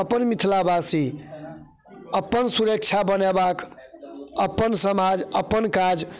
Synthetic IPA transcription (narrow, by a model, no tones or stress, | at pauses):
əpːənmit̪ʰlabasi | əpːənsuɾək̚t͡ʃʰabənebak | əpːənsəmad͡ʒəpːənkad͡ʒ